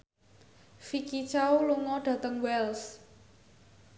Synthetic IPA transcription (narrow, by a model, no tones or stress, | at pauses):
fikit͡ʃauluŋɔɖ̥ä̤t̪əŋwɛls